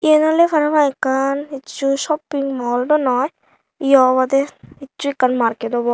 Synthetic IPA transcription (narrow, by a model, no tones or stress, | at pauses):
ienalefʰaɾabaekːankitːt͡ʃuʃɔpːiŋmɔlɖɔnɔj | iɔβad̪eitːt͡ʃuekːanmaɾketɔbɔ